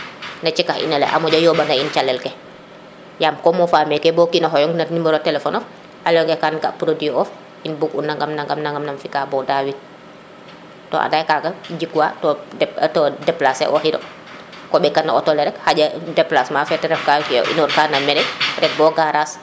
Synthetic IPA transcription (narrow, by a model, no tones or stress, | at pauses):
nɐt͡ʃikahḭnɐlɛ̰ʔa̰mɔd͡ʒɔjɔːbɐndaint͡ʃalɛlkɛ | jaːmkɔːmɔfaːmɛkɛbɔːkinɐɦɔjɔŋɡnɐtniməɾɔtɛlɛfɔnɔf | halɔŋɡɛkanɡapɾodiɔf | inbukunːaŋɡamnaŋɡamnaŋɡamnɐmfikaːbɔːdawit̚ | tɔ̰ːʔa̰dajkaɡɐd͡ʒikuwa̰tɔdɛtɔdɛplasɛ̰ʔɔhidɔ̰ | kɔbɛkanːɐʔɔtɔlɛɾɛkhaɟɐdɛplasmaːfɛtɛɾɛfkakḭʔḭnɔɾkaːnɐmːɛɾɛɾɛk̚bɔːɡaɾaːs